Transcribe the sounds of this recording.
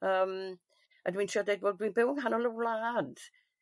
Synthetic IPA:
əːm | adwĩːntʰiɔdejd̚boːdwinbɪwəŋɦanɔləwlad̥

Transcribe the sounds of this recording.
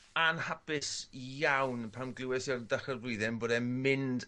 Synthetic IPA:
anhapɪsjawnpʰamɡlˠɪwɛsɔrdaχərvrʊɨðɛnboːdɛmɪnd

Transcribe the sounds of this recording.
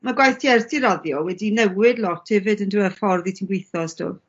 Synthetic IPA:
maɡwajθtʰiɛrtʰiɾɔðjɔwɛdinɛwɪdlˠɔtʰɪvɨdənduːəfɔrðitʰinɡwejθɔstʰʊ̰ː

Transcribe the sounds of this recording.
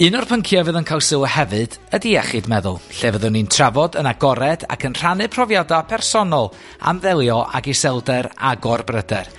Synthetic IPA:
ɨnɔrpʰəŋkʰjɔvɨːðənkʰalˠsɪlˠəhɛvɨd̥ | ədiɛχɨdmɛðʊ̰lˠɬevəðɨnintʰravɔdənaɡɔɾɛd̥a̰kʰənr̥anɨpʰrɔvjadapʰɛrsɔnɔlˠ | a̰mðɛlˠjɔʔa̰ɡisɛlˠdɛɾa̰ɡɔrbrədɛr

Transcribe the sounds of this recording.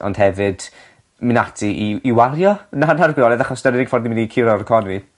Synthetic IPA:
ɔ̰nd̥hɛvɨd̥ | mɪnatʰiʔiːwaɾjɔnanarɡwɪɔɾɛðaχɔsnaɾɪnɪɡfɔrdniminikʰɪɾɔrkʰɔnvi

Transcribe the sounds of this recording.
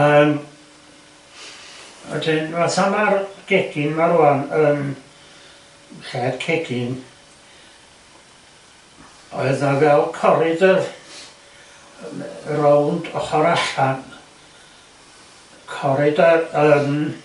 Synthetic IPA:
əːm | wɛ̰dɪnasamarɡ̥eɡ̥ɪnmaɾuanəm | ɬɛːd̥kʰeɡɪn | ɔɨðnavɛlˠkʰɔɾɪdə | rowndɔχɔɾaɬan | kʰɔɾɪdəːm

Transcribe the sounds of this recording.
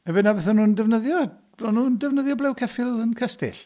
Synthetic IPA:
ɛvɪnabɛθɔnuːndɛvnəðjɔ̥ | ɔnuːndɛvnəðjɔblˠɛwkʰɛfɪlˠənkʰəstɪ̰ɬ

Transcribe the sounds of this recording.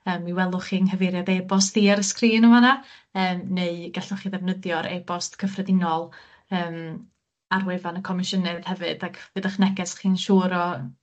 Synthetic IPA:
əːmiwɛlˠʊχiːnhəvɪɾjadebɔstiaɾəskriːnəmana | əːmneɨɡaɬɔχiːðɛvnəðjɔɾʔḛbɔstkʰəfrɛdɪnɔlˠ | əːm | arwevanəkʰɔmɪʃənɨðhɛvɨdakʰvɨːðəχnɛɡɛsχiːnʃuːɾɔ

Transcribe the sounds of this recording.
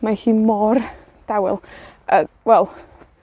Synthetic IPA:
maɬiːmɔr | d̥awɪ̰lˠʔə | wɛlˠ

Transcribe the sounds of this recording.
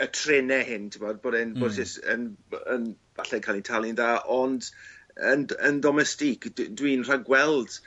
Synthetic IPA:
ətʰrɪnɛhɪntʰɪmɔd̚boːdɛnbodsɪsə̰nən | vaɬɛkʰaːlˠintʰalˠɪnðaːʔɔndənəndɔmɛstikʰdwinr̥aɡwɛlˠd̥

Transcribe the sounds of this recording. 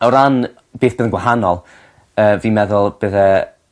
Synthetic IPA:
ɔɾan | b̥eːθb̥əːðənɡwaɦanɔlˠ | əːviːmɛðʊlˠb̥əðə

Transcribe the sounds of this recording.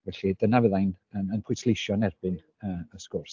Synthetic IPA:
vɛɬidənavəðajnənənpʰʊjtʰlˠejʃjɔnɛrb̥ɪn | əːəskʊrs

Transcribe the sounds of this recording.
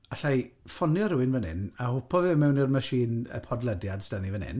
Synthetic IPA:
aɬajfɔnjɔɾɪwɪnvənɪ̰nahʊpʰɔvɨmɛwnɪrmaʃiːnə̰pʰɔdlˠədjadstanivənɪ̰n

